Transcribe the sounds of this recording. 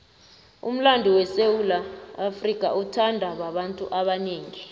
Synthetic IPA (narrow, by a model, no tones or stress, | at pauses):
ṵm̩landʱiwɛsewulaːfrikʼa̰ʔutʰandʱaɓaɓantʼuʔaɓaneːŋi